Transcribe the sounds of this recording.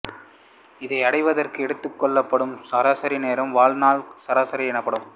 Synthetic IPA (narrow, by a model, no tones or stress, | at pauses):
ɪðɐɪɐɽɐɪʋɐðɐrkɯɛɽɯt̪ːɯkːɔɭːɐpːɐɽɯmsɐɾaːsɐɾineːɾɐmʋaːɭnaːlsɐɾaːsɐɾiɛnɐpːɐɽɯm